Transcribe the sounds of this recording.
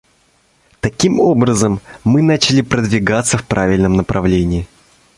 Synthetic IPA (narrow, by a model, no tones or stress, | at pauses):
t̪ɐkʲimo̞bɾəzəmːɨnat͡ɕɪlʲɪpɾəd̪vʲɪɡat̪səfpɾavʲɪlʲnəmnəpɾʔɐvlʲenʲɪː